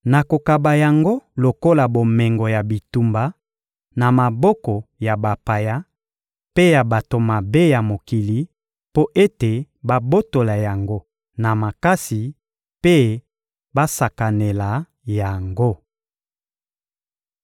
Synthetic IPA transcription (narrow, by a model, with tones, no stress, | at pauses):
na˨ko˨ka˨ba˨ja˨ŋɡo˦lo˨ko˦la˨bo˨mɛ˨ŋɡɔ˨ja˨bi˨tu˨mba˨ | na˨ma˨bɔ˦kɔ˨ja˨ba˨pa˨ja˦ | pe˦ja˨ba˨to˨ma˨be˦ja˨mo˨ki˨li˦ | po˦ʔe˦te˨ | ba˦bo˦to˨la˨ja˨ŋɡo˦ | na˨ma˨ka˦si˨ | pe˦ | ba˦sa˨ka˨ne˨la˨ | ja˨ŋɡo˦